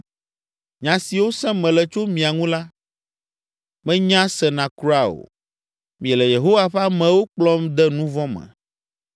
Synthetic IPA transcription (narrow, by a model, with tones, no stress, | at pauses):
ɲã˨si˨wo˦sɛ̃˦mɛ̃˨lɛ˨t͡ʃo˦mĩ˨a˨ŋũ˦la˦ | mɛ̃˦ɲã˦sɛ˨nã˨kɾu˦a˨o̰˨ | mĩ˨ɛ˨lɛ˨je˨ɦo˦wa˦ɸa˦mɛ̃˨wo˦k͡plɔ̃˦md̪ɛ˦nũ˦vɔ̃˦mɛ̰̃˨